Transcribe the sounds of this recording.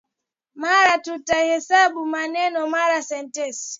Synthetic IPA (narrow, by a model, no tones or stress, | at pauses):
maɾatutahɛsaɓumanɛnɔmaɾasɛntɛsi̥